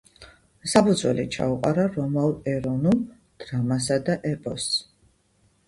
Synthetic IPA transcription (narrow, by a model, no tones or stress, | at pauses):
sapʰud̪zwɛ̰lḭt͡ʃʰa̰uqʼa̰ɾaɾɔmalˠɛɾɔnum | d̪̥ɾamas̬ad̪aʔɛpʼɔs